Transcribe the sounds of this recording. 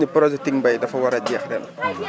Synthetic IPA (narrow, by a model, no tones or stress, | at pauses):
nipɾɔzetiŋbajdapʰawaɾajdijakɾen